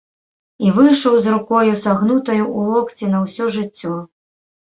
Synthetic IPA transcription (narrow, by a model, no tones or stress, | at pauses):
ivɨjʂɐwzrukɔjusaɣnut̪ɐjuʔulˠɔkt͡sʲinɐwsʲɔʐɨt͡sʲːɔ